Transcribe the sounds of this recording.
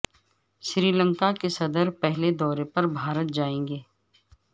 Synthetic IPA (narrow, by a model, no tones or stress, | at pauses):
ʃɾiːlə̃ŋkakesɐd̪əɾpɛɦled̪ɔːɾepɐɾbʱaːɾət̪̚d͡ʒaːẽːŋɡeː